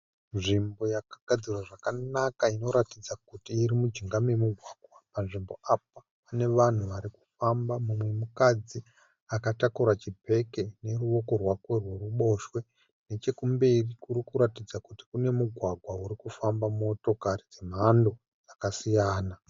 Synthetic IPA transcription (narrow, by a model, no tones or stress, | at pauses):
nʐimbo̞jakaɡ̥ʱad͡zirwaʐakanakaino̞ɾatid͡zakutiːɾimud͡ʒiŋɡamemuɡʱwaɡʱwapanʐimbo̞ʔap̚a | pane̞ʋan̤uʋaɾiku̥fambamumwe̞mukad͡zi | akatakuɾat͡ʃipe̞ke̞ne̞ɾuo̞ko̞rwakwe̞rwe̞ruɓo̞ʃwe̞ | ne̞t͡ʃe̞kumberikuɾikuɾatid͡zakuti̥kune̞muɡʱwaɡʱwauɾikufambamoto̞kaɾid͡zem̤ando̞ | d͡zakasijaːna